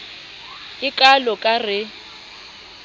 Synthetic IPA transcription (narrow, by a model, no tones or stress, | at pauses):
ɪkʼalɔkʼarɪ